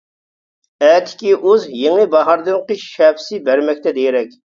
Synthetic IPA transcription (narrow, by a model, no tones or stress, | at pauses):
ɛːt̪ʰɪ̥kʲiʔuzjeŋɨbɑɦɑɾd̪ɨŋqəʃɛbsɪbæɾmɛkʲt̪ʰɛd̪ejɪɾɛkʲ